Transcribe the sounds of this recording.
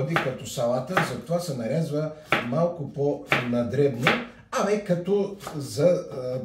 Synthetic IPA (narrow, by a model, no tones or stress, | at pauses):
bikɐt̪ɔsɐlˠat̪əzɐt̪ovasɛnɐɾɛzvəmalˠkʊponɐd̪ɾɛd̪no | ɐmɛkɐt̪ɔzɐ